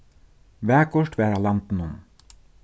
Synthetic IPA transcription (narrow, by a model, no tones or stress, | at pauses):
ʋæːkʰɔʃʈʋæːɾalɑnt̪n̩ʊn